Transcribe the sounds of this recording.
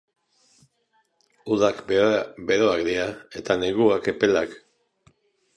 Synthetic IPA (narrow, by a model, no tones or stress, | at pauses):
uðakbe̞ɾo̞akd̪iae̞t̪aneɣuake̞pe̞lak